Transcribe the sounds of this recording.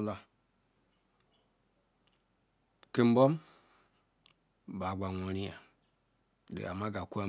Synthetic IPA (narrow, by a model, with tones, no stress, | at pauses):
la˨ | ke˨m̩˦bɔ˦m˦˨ | ba˨ɡ͡ba˨ŋʷo˨ɾi˦a̰˨ | dḛ˨a˨ma˦ɡa˨ku˦a˦